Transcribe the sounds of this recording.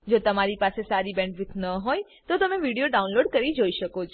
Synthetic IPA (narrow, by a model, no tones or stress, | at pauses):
d͡ʒot̪əmaɾipasesaɾibɛ̃ɳɖʋɪt̪ʰnəɦoj | t̪ot̪əmeʋiɽijoɖaũnloɖkəɾid͡ʒoiʃəkot͡ʃʰ